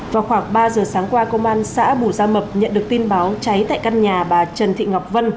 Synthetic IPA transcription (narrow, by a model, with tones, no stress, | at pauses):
vaː˨˩xwaː˧˩ŋɓaː˧zəː˨˩saː˨˦ŋkwaː˧kə˧ŋ͡mʔaː˧nsa̰ː˧˥ɓu˧˩zaː˧mə˨˩p̚ɲə̰˧˨nɗɨ˨˩ək̚t̪i˧nɓaː˨˦wt͡ɕa˨˦jt̪a̰ː˧˨ka˧nɲaː˨˩ɓaː˨˩t͡ɕə˨˩nt̪ʰḭ˧˨ŋa˨˩wk͡p̚və˧n